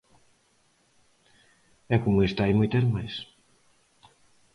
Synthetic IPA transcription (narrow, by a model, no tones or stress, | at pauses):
ɛkomʊest̪ajmojt̪eɾmajs